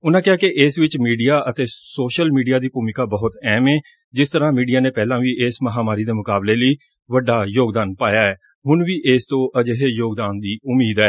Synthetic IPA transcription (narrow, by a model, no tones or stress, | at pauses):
ʊnãːkɪɦaːkɪʔɪːsʋɪt͡ʃmiːɖijaːʔət̪eːsoːʃəlmiːɖijaːd̪iːpuːmɪkaːbəɦʊt̪ɛːmɛː | d͡ʒɪst̪əɾãːmiːɖijaːneːpɛːlãːʋiːʔeːsməɦaːmaːɾiːd̪eːmʊkaːbleːləiː | ʋəɖaːjoːɡd̪aːnpaːjaːɛː | ɦʊnʋiːʔeːst̪õːʔəd͡ʒeɦeːjoːɡd̪aːnd̪iːʊmːiːd̪ɛː